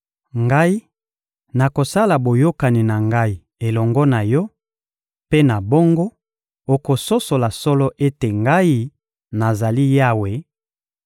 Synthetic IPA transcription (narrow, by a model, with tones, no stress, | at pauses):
ŋɡa˦i˦ | na˨ko˨sa˦la˨bo˨jo˦ka˨ni˨na˨ŋɡa˦i˦ | e˨lɔ˨ŋɡɔ˦na˨jɔ˦ | pe˦na˨bo˦ŋɡo˦ | o˨ko˨so˦so˨la˨sɔ˦lɔ˦ʔe˦te˨ŋɡa˦i˦ | na˨za˨li˦ja˦we˨˦